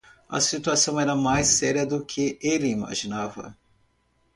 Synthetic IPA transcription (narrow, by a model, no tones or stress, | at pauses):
ɐ̰sit̪uasɐ̃w̃ɛɾɐmajsɛɾiɐd̪ʊkʰɪelɪima̰ʒinavɐ̰